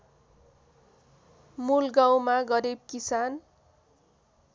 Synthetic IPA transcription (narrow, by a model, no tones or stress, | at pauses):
mulɡawmaɡʌɾib̚kisan